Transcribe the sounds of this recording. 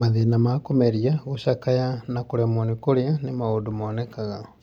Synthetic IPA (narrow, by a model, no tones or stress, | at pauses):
maðenamakomeɾiaɣoʃakajanakoɾɛmonikoɾeanemaodomɔːnɛkaɣa